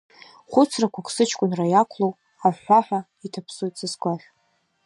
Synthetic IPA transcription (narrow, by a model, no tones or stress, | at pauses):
χʷʊt͡sʰrakʷakʷʰsɨt͡ʃʰkʷʼʊnrajakʷʰlow | aħʷaħʷᶣa | itʰapʰsojt͡sʰʼɨskʷʼaʒʲ